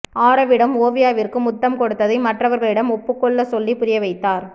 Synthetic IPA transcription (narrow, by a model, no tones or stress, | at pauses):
aːɾɐʋɪɽɐmoːʋɪjaːʋɪrkɯmʊt̪ːɐmkɔɽɯt̪ːɐðɐɪmɐʈrɐʋɐɾɣɐɭɪɽɐmɔpːɯkːɔɭːɐsɔlːipʊɾɪjɐʋɐɪt̪ːaːɾ